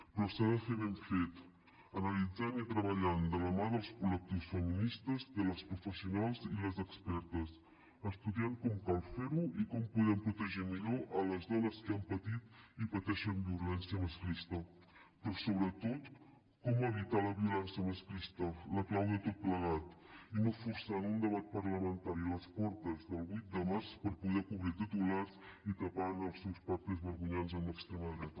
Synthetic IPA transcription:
pɾɔsaðəfeβeɱfet̪ | ənəlid͡zanit̪ɾəβəʎand̪ələmaðəlˠskulək̚t̪iwsfəminist̪əzðələspɾufəsiunalˠziləzəkspɛɾt̪əs | əst̪uðiaŋkɔmkalˠfeɾuikɔmpuðɛmpɾut̪əʒɛmiʎoʔələzðɔnəskəampət̪it̪ipət̪ɛʃəmbiulɛnsiəməskɾist̪ə | pɾɔsoβɾət̪ot̪ | kɔməβ̞it̪aləβiulɛnsjəməskɾist̪ələklawðət̪ot̪̚pləɣ̞at̪inofuɾsanund̪əβat̪̚pəɾləmənt̪aɾiləspɔɾt̪əzðəlˠβujt̪̚d̪əmaɾspəɾpuðɛkuβɾit̪it̪ulaɾz | it̪əpanəlˠsɛwspaɾt̪əzβəɾɣuɲanzəmləkst̪ɾeməðɾɛt̪ə

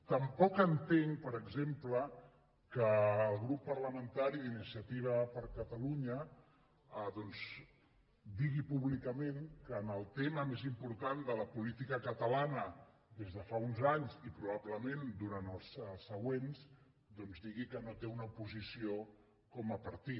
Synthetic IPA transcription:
t̪əmpɔkənt̪eŋpəɾəɡzemplə | kəːlˠɣɾupːəɾləmənt̪aɾiðinisiət̪iβ̞əpəɾkət̪əluɲə | əðɔnz | d̪iɣipuβlikəmeŋkəːnəlˠt̪eməmezimpuɾt̪and̪ələpulit̪ikəkət̪əlanə | d̪ezðəfaunzaɲzipɾuβabləmend̪uɾanəlˠsəsːəɣwenz | d̪ɔnzd̪iɣikənot̪eunəupuzisio | kɔməpəɾt̪it̪

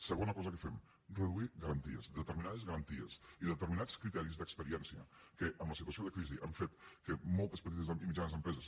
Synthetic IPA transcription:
səɣonəkɔzəkəfem | rəðuiɣəɾənt̪ḭə̰zd̪ət̪əɾminaðəzɣəɾənt̪iə̰siðət̪əɾminat͡skɾit̪ɛɾizðəkspəɾiɛnsiə̰kəʔəmləsit̪uəsioðəkɾiziʔa̰ɱfet̪kəmɔlˠt̪əspət̪̬it̪əzimid͡ʒanəzðəmpɾɛzəs

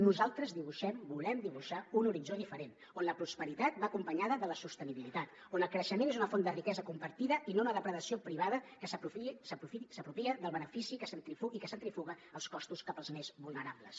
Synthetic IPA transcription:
nuzalˠt̪ɾəzðiβ̞uʃɛmbulɛmd̪iβuʃaunuɾid͡ʒoðifəɾen | onləpɾuspəɾit̪at̪̚bakumpəɲaðəðələsust̪əniβilit̪at̪ | onəlˠkɾəʃəmenezunəfond̪ərikɛzəkumpəɾt̪iðəinounəðəpɾəðəsiopɾiβaðəkəsəusəpuisəpɾupiəðəlˠβənəfisikəsənt̪ɾifuikəsənt̪ɾifuɣəəlˠskɔst̪uskapəlˠzmezβulˠnəɾablə̰s

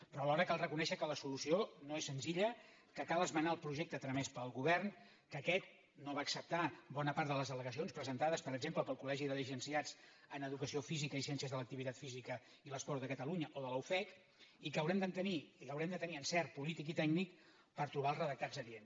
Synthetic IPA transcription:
pɾɔlɔɾəkalˠrəkunɛʃəkələsulusionoesːənziʎə | kəkalˠəzmənaəlˠpɾuʒek̚t̪ət̪ɾəmɛspəlˠɣuβɛrn | kəkɛt̪̚ | noβaːksəp̚t̪abɔnəpaɾt̪d̪ələzðələɣəs̬ionspɾəzənt̪aðəspəɾəɡzempləpəlˠkulɛʒiðələʒənsiad͡z | ənəðukəsiofizikəisiɛnsiəzðələk̚t̪iβit̪at̪fizikə | iləspɔɾt̪ðəkət̪əluɲəʔoðələwfɛk | ikəwɾɛmd̪ənt̪ənikəwɾɛmd̪ət̪əniənsɛɾ̚pulit̪ikit̪ɛɡnik | pəɾt̪ɾuβaəlˠzrəðək̚t̪azəien

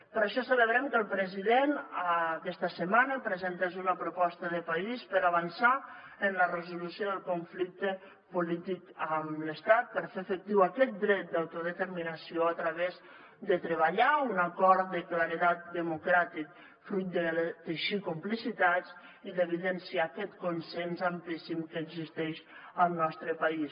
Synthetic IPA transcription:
pəɾəʃɔsələβɾɛmkəlˠpɾəziðenkɛst̪əsəmanəpɾəzɛnt̪azunəpɾupɔst̪əðəpaispəɾaβənsaənlərəzulusjoðəlˠkuɱflik̚t̪ə | pulit̪ikəmləst̪at̪̚pəɾfeːfək̚t̪iwakɛt̪̚d̪ɾɛt̪̚d̪awt̪uðət̪əɾminəsioat̪ɾəβez | d̪ət̪ɾəβaʎaunakɔɾt̪̚d̪əklaɾit̪at̪̚d̪əmukɾat̪ik̚ | fɾujt̪̚d̪ət̪əʃikumplisit̪at͡s | iðəβ̞iðɛnsiakɛt̪kunsɛnzamplisimkəːɡzist̪ɛʃəlˠnɔst̪ɾəpais

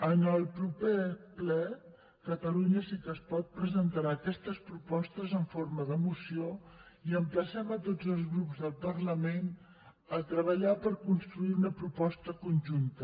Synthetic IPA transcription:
ənəlˠpɾupeplɛ | kət̪əluɲəsikəːspɔt̪̚pɾəzənt̪aɾaːkɛst̪əspɾupɔst̪əzəɱfoɾməðəmusio | iəmpləsɛmət̪od͡zəlˠzɣɾupzðəlˠpərləmen | ət̪ɾəβ̞əʎapəɾkunst̪ɾuiunəpɾupɔst̪əkunʲʒunt̪ə

